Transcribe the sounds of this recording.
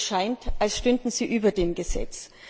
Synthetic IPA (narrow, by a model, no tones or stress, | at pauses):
ʃaɪntʔalsʃtʏndn̩z̥iːʔyːbɐdeːmɡəzɛ̰t͡s